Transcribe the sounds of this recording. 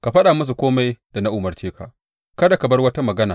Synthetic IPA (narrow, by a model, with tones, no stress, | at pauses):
ka˨ɸɐ˦ɗa˨mʊ˦s̬u˨kʷoː˦ma˦jda˨na˦ʔʊ˨mɐ˨rt͡ʃeː˦ka̰˨ʔ | kɐ˦da˨ka˨bɐ˦rwɐ˦ta˦mɐ˨ɡɐ˦naː˨